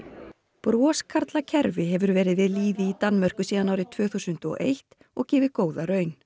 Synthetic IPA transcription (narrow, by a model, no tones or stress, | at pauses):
pɾɔːskʰaɾt̪lacʰɛɾvɪɦɛvʏɾvɛːɾɪðvɪðliːðɪit̪anmœr̥kʏsiːðanawɾɪt̪ʰv̥œːθusʏnt̪ɔ̰ʔejht̪ | ɔɣcɛːvɪkoːwðaɾœːɥn